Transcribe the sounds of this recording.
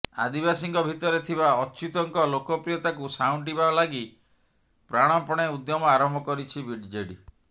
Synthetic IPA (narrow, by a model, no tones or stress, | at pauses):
a̰d̪ibasiŋkɔbʱit̪ɔɾet̪ʰiβaɔt͡ʃut̪ɔŋkɔlokɔpɾiɔt̪akusawɳʈibalaɡi | pɾaɽ̃ɔpɔɽ̃eud̪jɔmɔaɾɔmbʱɔkɔɾit͡ʃʰibiɖd͡ʒeɽi